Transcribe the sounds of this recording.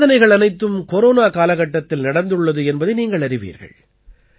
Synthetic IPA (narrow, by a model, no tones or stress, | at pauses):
ðɐnɐɪɣɐɭɐnɐɪt̪ːɯmkɔɾoːnaːkaːlɐɣɐʈːɐt̪ːɪlnɐɽɐnd̪ɯɭːɐðɯɛnbɐðɐɪniːŋɡɐɭɐɾɪʋḭːɾɣɐ̰ɭ